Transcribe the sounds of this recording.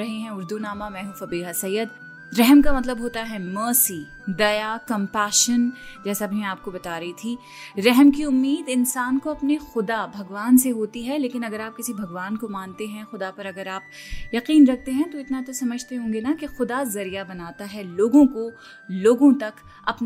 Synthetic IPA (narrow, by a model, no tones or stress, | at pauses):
ɾɐɦeɦɛ̃ʊɾd̪unaːmamɛ̃ːɦũfɐbiːɦasɐjːəd̪̚ | ɾɛɦmkamɐt̪ləbɦoːt̪aɦɛməːsi | d̪ɐjakɐ̃mpaːʃənd͡ʒɛːsaɐbnẽaːp̚kobɐt̪aːɾɐɦit̪ʰiː | ɾɛɦmkiʊmːiːd̪ɪnsaːnkoɐpnexʊd̪abʱɐɡʋaːnseɦoːt̪iɦɛleːkɪnɐɡəɾaːp̚kɪsibʱɐɡʋaːnkomaːnt̪eɦɛ̃xʊd̪apɐɾɐɡəɾaːp̚jɐqiːnɾɐk̚ʰt̪eɦɛ̃t̪oɪt̪nat̪osɐməd͡ʒʱt̪eɦõːŋɡenakexʊd̪azɐɾijabɐnaːt̪aɦɛloːɡõko | loːɡõt̪ɐk | ɐpn